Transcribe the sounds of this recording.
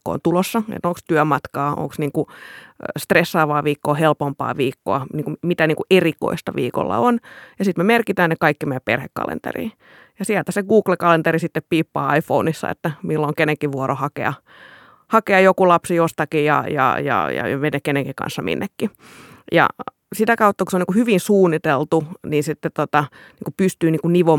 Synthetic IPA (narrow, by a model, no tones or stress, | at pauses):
ko̰o̰nt̪ulosːɑḛt̪noŋkst̪yæmɑt̪kɑːʔo̰ŋksniːŋku | st̪resːɑːʋɑːʋiːkːoːhelpompɑ̰ːʋiːkːo̰ɑniːŋkumit̪æniːŋkuʔeriko̰ist̪ɑʋḭːko̰lːɑ̰onjɑsit̪memerkit̪æːnnekɑikːimeæppḛrhekːɑ̰lḛnt̪ḛrḭː | jɑsiælt̪æseɡuːklekɑlent̪erisit̪ːeppiːpːɑːɑifounisːɑ̰ḛt̪ːæmilːoŋkeneŋkiʋʋuorohɑkḛɑ̰ | hɑkeɑjokulɑpsijost̪ɑkijjɑ̰jɑ̰jɑ̰jɑ̰menekeneŋkikɑ̰̃nsːɑmḭnːekːi | jɑ̰ | sit̪ækɑut̪ːɑku̥seoniŋkuhyʋinsuːnːit̪elt̪uniːnsit̪ːet̪tot̪ɑ | niːŋkupyst̪yːniːŋkuniʋo